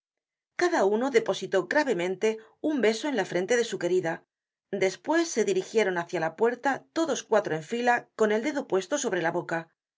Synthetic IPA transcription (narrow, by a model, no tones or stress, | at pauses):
kaðauno̞ðe̞po̞sit̪o̞ɣɾaβe̞mẽ̞nt̪e̞ | umbe̞so̞e̞nlafɾe̞nt̪e̞ðe̞suke̞ɾiða | d̪e̞spwe̞sːe̞ðiɾixje̞ɾo̞naθjalapwe̞ɾt̪at̪o̞ðo̞skwat̪ɾo̞e̞ɱfilako̞ne̞ld̪e̞ðopwe̞st̪o̞so̞β̞ɾe̞laβo̞ka